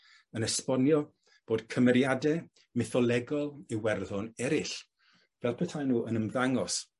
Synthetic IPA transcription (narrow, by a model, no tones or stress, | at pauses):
ənɛspɔnjɔ | b̥oːd̥kʰəmɛɾjadɛ | mɪθɔlˠɛɡɔlˠiwɛrðɔnɛɾɪɬ | vɛlˠpʰətʰajnuːʔənəmðaŋɔs